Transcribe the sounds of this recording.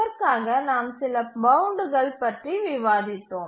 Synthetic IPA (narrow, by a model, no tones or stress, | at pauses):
ɐɾkaːɣɐnaːmsɪlɐbɐʊɳɖɯɣɐɭpɐʈriʋɪʋaːðɪt̪ːoːm